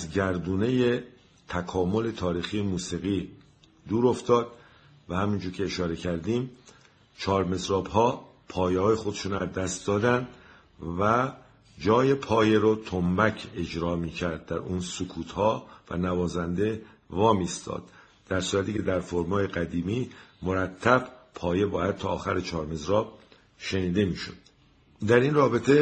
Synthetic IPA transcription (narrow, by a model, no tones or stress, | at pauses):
æzɟæɾd̪uːne̞je | t̪ʰækʰɒːmo̞le̞t̪ʰɒːɾiːxijemuːsiːɣiː | d̪uːɾo̞ft̪ɒːd̪̥̚ | væhæmind͡ʒuːɾcʰe̞ːʃɒːɾe̞cʰæɾd̪iːm | t͡ʃʰɒːɾme̞sɾɒːbɦɒː | pʰɒːjehɒːje̞xod̪e̞ʃuːnæzd̪æst̪̚d̪ɒːd̪ænd̪ | væ | d͡ʒɒːje̞pʰɒːjeɾot̪ʰombæcʰe̞d͡ʒɾɒːmiːcʰæɾd̪̚d̪æɾuːnsokʰuːt̪hɒːvæ̰nævɒːzænd̪e̞ | vɒːmist̪ʰɒ̰ːd̪̥̚ː | æɾsuːɾæt̪ʰiːcʰe̞d̪æɾfoɾmɒːjeɡæd̪iːmiːmoɾæt̪ʰːæb̥pʰɒːje̞bɒːjæd̪̥̚t̪ʰɒːxæɾet͡ʃʰɒːɾme̞zɾɒːb̥̚ | ʃe̞niːd̪e̞miːʃo̰d̪̥ | d̪æɾiːnrɒːbe̞t̪ʰe̞